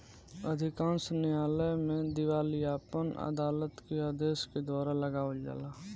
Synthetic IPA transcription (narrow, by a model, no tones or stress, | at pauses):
əd̪ʱɪkãːnsnɪjaːləjmẽd̪ɪwaːlijaːpənə̰d̪aːlət̪keaːd̪eːsked̪waːɾaləɡaːəd͡ʒa̰ːlaː